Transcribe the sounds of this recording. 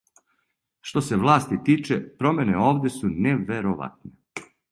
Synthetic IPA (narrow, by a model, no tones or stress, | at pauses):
ʃt̪o̞se̞ʋlˠaːst̪it̪iːt͡ʃepɾo̞mʲeneo̞ːʋd̪ʲesuneʋeɾoʋa̰t̪ne